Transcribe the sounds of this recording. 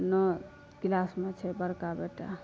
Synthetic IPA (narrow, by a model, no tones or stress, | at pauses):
nɔ | kilasmet͡ʃʰɛbəɾkabeʈa̰